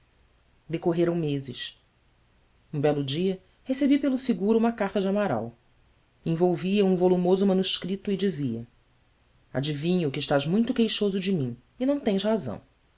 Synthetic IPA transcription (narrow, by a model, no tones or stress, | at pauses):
d̪ekoɦeɾɐ̃w̃mezɪʃ | ũbɛlʊd͡ʒiɐ | hesebipelʊsɪɡuɾuũmɐkaχt̪ɐd͡ʒɪamaɾa̰w | ẽvowviɐũvolumozʊmɐ̃nuʃkɾit̪ʊɪd͡ʒiziɐ | a̰d͡ʒivĩɲʊkɪiʃt̪aʒmũj̃t̪ʊkejʃozʊd͡ʒɪmĩ | ɪnɐ̃w̃t̪ẽj̃ʃhazɐ̰̃w̃